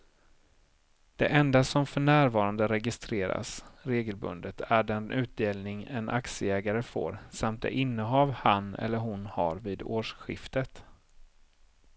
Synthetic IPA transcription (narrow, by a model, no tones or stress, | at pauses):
d̪̥ɛ̰ʔɛnd̪asɔmfœɳæːɾvɑːɾand̪əɾɛɡɪst̪ɾeːɾa̰sɾeːɡəlbɵ̰nd̪ət̪ʰæɖɛnʔʉ̟ːt̪̚d̪eːlnɪŋɛnʔa̰ksəɛːɡaɾəfo̰ːɾsamt̪̚d̪ɛ̰ʔɪnːəɦɑːvhanɛ̰lːəɾɦʊnha̰ɾviːd̪oːʂɧɪ̰ft̪ət̪